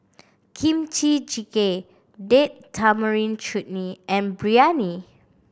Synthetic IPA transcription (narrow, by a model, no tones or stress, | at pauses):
kʰĩmt͡ʃit͡ʃike | dettʰaməɹĩnt͡ʃut̚niʔɛ̃nbɹiani